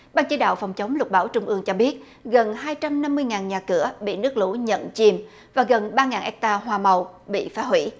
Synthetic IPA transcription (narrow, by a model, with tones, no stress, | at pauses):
ɓaː˧nt͡ɕi˧˦ɗa̰ː˧˨wfɔ˨˩wŋ͡mt͡ɕə˨˦wŋ͡mlʊ˨˩t̚ɓaː˧˩wt͡ɕʊ˧ŋ͡mʔɨ˧əŋt͡ɕɔ˧ɓi˦˥ət̚ | ɣə˨˩nhaː˧jt͡ɕa˧mna˧mːɨ˧əjŋaː˨˩nɲaː˨˩kɨ˧˩əɓḭ˧˨nɨ˦˥ək̚lṵ˧˥ɲə̰˧˨nt͡ɕi˧m | vaː˨˩ɣə˨˩nɓaː˧ŋaː˨˩nʔɛ˦˥k̚t̪aː˧ɦwaː˨˩mə˨˩wɓḭ˧˨faː˨˦ɦwi˧˥